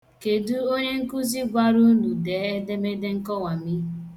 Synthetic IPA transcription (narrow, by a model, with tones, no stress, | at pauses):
ke˨du˦o˦ɲe˦ŋ̩˦ku˦zi˦ɡʷa˦ɾu˦nu˨deː˨˦e˦de˦me˦de˦ŋ̩˦kɔ˦wa˨mi˦